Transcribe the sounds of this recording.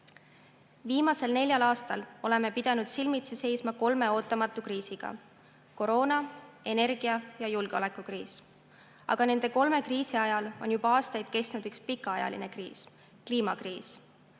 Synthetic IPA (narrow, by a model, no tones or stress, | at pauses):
viːmɑse̞lne̞lʲjɑlɑːst̪ɑlo̞le̞me̞pid̪̥ɑnud̪̥silmit̪sese̞jsmɑko̞lme̞o̞ːt̪ˑːɑmɑt̪ːˑukriːsiɡ̥ɑ̰ | ko̞ɾo̞ːnɑe̞ne̞rɡ̥iɑjɑjulɡ̥eo̞le̞kˑukriːs | ɑ̰ɡ̥ɑne̞nd̪e̞ko̞lme̞kriːsiɑjɑlo̞njubɑɑːst̪ɑjd̪̥̚ke̞st̪nud̪̥ykspikːˑɑɑjɑ̰lḭne̞krḭːs | kliːmɑkriːs